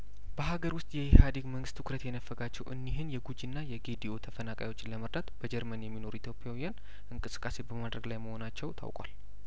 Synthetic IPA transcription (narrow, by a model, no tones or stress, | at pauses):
bəɦaɡəɾwʊst̪ʼjɛhhad̪iɡməŋɡɨst̪ʰɨkʰɾət̪jɛnəfːəɡat͡ʃːɛwʔɨ̰nːiɦɨnjɛɡud͡ʒinːajɛɡed̪io̞t̪ʰəfənakʼa̰jwo̞t͡ʃːɪləməɾd̪at̪b̥əd͡ʒɛɾmənjɛmːino̞ɾuit̪ʰjo̞pʼjawijan | ʔɨŋkʼɨsɨ̥kʼːase̞bəmad̪ɾəɡlajməho̞nat͡ʃːɛwt̪ʰa̰wkʼwa̰l